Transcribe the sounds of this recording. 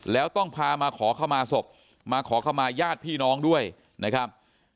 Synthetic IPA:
lɛː˦˥wt̪ɔ˥˩ŋpʰaː˧maː˧kʰɔː˩˦kʰa˥˩wmaː˧so˨˩p̚ | maː˧kʰɔː˩˦kʰa˥˩wmaː˧jaː˥˩t̪̚pʰiː˥˩nɔː˦˥ŋdu˥˩əj | na˦˥kʰɾa˦˥p̚

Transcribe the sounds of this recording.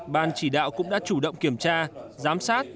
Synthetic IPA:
ɓaː˧nt͡ɕi˧˩ɗa̰ː˧˨wkʊ̰˧˥ŋ͡mɗa̰ː˧˥t͡ɕu˧˩ɗə̰˧˨wŋ͡mki˧˩əmt͡ɕaː˧zaː˨˦msaː˦˥t̚

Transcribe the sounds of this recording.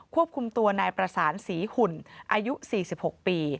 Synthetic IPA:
kʰu˥˩əp̚kʰu˧mt̪u˧ɐnaː˧jpɾa˧saː˩˦nsiː˩˦hu˨˩nʔaː˧ju˦˥ʔsiː˨˩si˨˩p̚ho˨˩k̚piː˧

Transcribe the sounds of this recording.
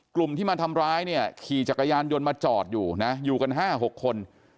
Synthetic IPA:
klu˨˩mt̪ʰiː˥˩maː˧t̪ʰa˧mɾaː˦˥jni˥˩ɐkʰiː˨˩t͡ɕa˨˩kːa˧jaː˧njo˧nmaː˧t͡ɕɔː˨˩t̪̚juː˨˩na˦˥juː˨˩ka˧nɦaː˥˩ɦo˨˩kʰːo˧n

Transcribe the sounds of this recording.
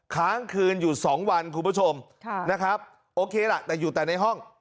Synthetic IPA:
kʰaː˦˥ŋkʰɯː˧njuː˨˩sɔː˩˦ŋwa˧nkʰu˧npʰu˦˥t͡ɕʰo˧m | na˦˥kʰɾa˦˥p̚ | ʔoː˧kʰeː˧la˨˩t̪ɛː˨˩juː˨˩t̪ɛː˨˩na˧jɦɔ˥˩ŋ

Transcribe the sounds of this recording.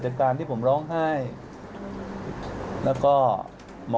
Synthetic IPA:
t͡ɕa˨˩t̚kaː˧nt̪ʰiː˥˩pʰo˩˦mɾɔː˦˥ŋɦa˥˩j | lɛː˦˥wkɔː˥˩ | mɔ˧

